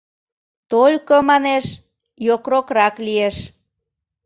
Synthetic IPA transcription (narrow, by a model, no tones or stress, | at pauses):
t̪olʲkomɑneʃ | jokrokɾɑklieʃ